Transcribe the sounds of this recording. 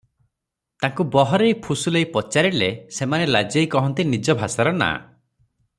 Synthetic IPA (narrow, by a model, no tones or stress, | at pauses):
t̪aŋkubɔɦɔɾejpʰusulejpɔt͡ʃaɾilesemanelad͡ʒejkɔɦɔnt̪inid͡ʒɔbʱasaɾɔna̰